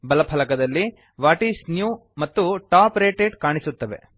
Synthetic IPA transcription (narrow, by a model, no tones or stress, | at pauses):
bɐlɐpʰɐlɐkɐd̪ɐlːi | ʋaːʈiːsnjuːmɐt̪ːuʈaːpɾeːʈeːɖkaːɳisut̪ːɐʋe̞̰